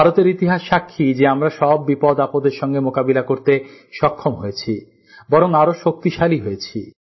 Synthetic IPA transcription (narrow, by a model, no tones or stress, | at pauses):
bʱaɾot̪eɾit̪iɦaʃːakʰːid͡ʑeamɾaʃɔbːipɔd̪apod̪eɾʃɔŋɡemokabilakoɾt̪eʃɔkʰːomɦojet͡ɕʰi | bɔɾoŋaɾoʃok̚t̪iʃaliɦojet͡ɕʰi